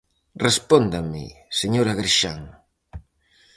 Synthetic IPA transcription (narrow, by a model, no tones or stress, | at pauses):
respond̪ɐmɪ̰seɲoɾaɣɾiʃaŋ